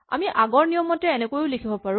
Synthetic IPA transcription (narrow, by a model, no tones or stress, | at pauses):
a̰miʔaɡɔɹnijɔmɔtɛːnɛkojʊlikʰibɔpaɹʊ̃